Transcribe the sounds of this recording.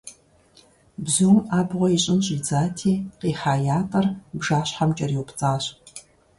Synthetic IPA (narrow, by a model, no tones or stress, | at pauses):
bzuːmaːbʁʷɔiɕʼɪnɕʼiːd͡zaːtʰiːqiːħaːjaːtʼɐrbʐaːɕħamt͡ʃʼɐriwpt͡sʼaːɕ